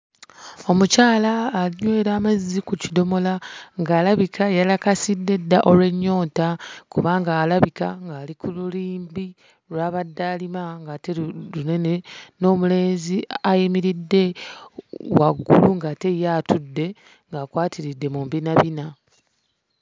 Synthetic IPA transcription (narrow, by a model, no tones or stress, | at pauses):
o̞mucaːlaːliɲwe̞ːɾaːmazikucido̞mo̞laŋɡaːlaβikʰajalakasidːe̞dːaʔo̞lwe̞ɲːo̞ːtakuβaːŋɡaːlaβikaŋɡaːlikʰululiːmbi | lwaːβadːaːlimaŋɡatelune̞neno̞ːmule̞ːnziajimiɾidːe̞ | waɡːuluŋɡate̞jaːtʰudːe̞ | ŋɡaːkwaːtʰiɾidːe̞muːmbinaβina